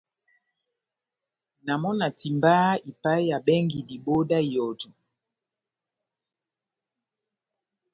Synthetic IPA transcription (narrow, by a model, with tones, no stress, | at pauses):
na˨mɔ˦na˨ti˨mba˦i˨pa˦i˦ja˨bɛ˦ŋɡi˨di˨bo˦da˦˨jɔ˨du˨